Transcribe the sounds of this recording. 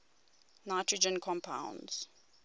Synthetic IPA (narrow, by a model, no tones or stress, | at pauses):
naɪtʰɹəd͡ʒə̃nkʰɔ̃mpʰã̰ʊ̃nz̥